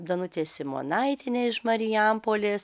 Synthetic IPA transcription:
d̪ɐnʊt̪ʲeːsʲɪmo̰ːnɐɪt̪ʲɪnʲeːɪʃmɐɾʲɪjɛmpoːlʲeːs

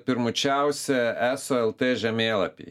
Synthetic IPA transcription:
pʲɪɾmʊt͡ʃʲæʊsʲɛæsoːɛlˠt̪eːʒʲɛmʲeːlˠɐpʲḭː

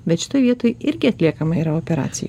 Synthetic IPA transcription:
bʲɛt̪ʃʲɪ̥t̪oːjʋʲiɛt̪oːjɪɾʲɡʲɪɐt̪ʲlʲiɛkɐmɐiːɾɐoːpʲɛɾɑ̰ːt̪sʲɪ̰jɛ

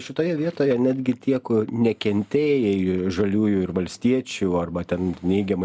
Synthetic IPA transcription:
ʃʲɪt̪oːjɛʋʲiɛt̪oːjɛnʲæːd̪ʲɡʲɪt̪ʲiɛknʲɛkʲɛnʲt̪ʲeːjɛɪʒɐlʲuːjuɪrʋɐlʲsʲt̪ʲiɛt͡ʃʲuɐrbɐt̪ʲɛnnʲɛɪɡʲɛmɐ

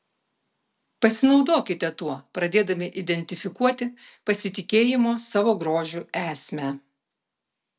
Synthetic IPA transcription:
pɐsʲɪnɒʊd̪oːkʲɪt̪ʲɛt̪uɔpɾɐd̪ʲeːd̪ɐmʲɪʔɪd̪ʲɛnʲt̪ʲɪfʲɪkuɔt̪ʲɪpɐsʲɪt̪ʲɪkʲeːjɪmoːsɑːʋoːɡɾoːʒʲuæːsʲmʲæ

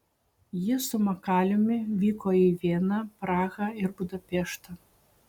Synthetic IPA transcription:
jisʊmɐkalʲʊmʲivʲikɔivʲɛnɐpɾaɣɐirbud̪ɐpʲɛʂt̪ɐ

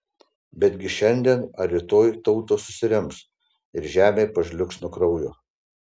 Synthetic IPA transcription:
bʲɛd̪ʲɡʲɪʃʲɛnʲd̪ʲiɛnɐɾʲɪt̪oːjt̪ɒʊt̪oːsʊsʲɪɾʲɪms | ɪɾʒʲæːmʲeɪpɐʒʲlʲʊksnʊkɾɐʊjʊː

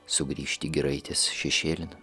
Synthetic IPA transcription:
sʊɡɾʲiːʃʲt̪ʲiːɡʲɛɾɐɪt̪ʲɪsʃʲɛʃʲeːlʲɪn

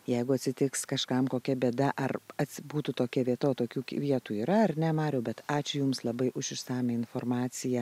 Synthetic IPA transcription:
jɛɪɡʊɐt̪ʲsʲɪt̪ʲɪkskɐʃkɐmkoːkʲɛbʲiɛd̪ɐʔɐrɐt̪ʲsʲbuːt̪uːt̪oːkʲɛʋʲiɛt̪ɐoːt̪oːkʲuːkʲʋʲiɛt̪uːiːɾɐɐrnʲɛmɑːɾʲɛʊbʲɛt̪ɑːt͡ʃʲʊjʊmslˠɐbɐɪʔʊʃʲɪʃsɑːmʲɛɪnfoːrmɑːt͡s̪ʲɪjɛ

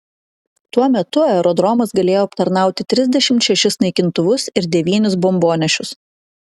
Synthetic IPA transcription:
t̪uɔmʲɛt̪ʊɛɾɔd̪ɾɔmɐsɡɐlʲeːjoːɐpt̪ɐɾnɑˑʊt̪ʲɪt̪ʲɾʲɪzʲd̪ʲɛʃʲɪmt̪ʃʲɛʃʲɪsnɐɪkʲɪnt̪ʊʋʊsɪɾd̪ʲɛʋʲiːnʲʊsbɔmboːnʲɛʃʲʊs

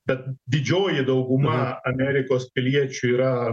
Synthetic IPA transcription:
bʲɛt̪̚d̪ʲɪd͡ʒʲoːjɪd̪ɐʊɡʊmɐɐmʲæːɾʲɪkoːspʲɪlʲiɛt͡ʃʲʊiːɾɐ

